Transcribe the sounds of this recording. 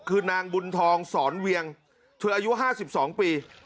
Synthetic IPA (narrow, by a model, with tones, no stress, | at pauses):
kʰɯː˧naː˧ŋbu˧nt̪ʰɔː˧ŋsɔː˩˦nwi˧əŋ | t̪ʰɯː˧ʔaː˧ju˦˥ʔɦaː˥˩si˨˩p̚sɔː˩˦ŋpiː˧